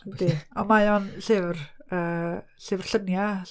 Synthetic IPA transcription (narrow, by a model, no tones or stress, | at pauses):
d̥iɔmajɔnɬɪvrəːɬɪvr̥ɬənja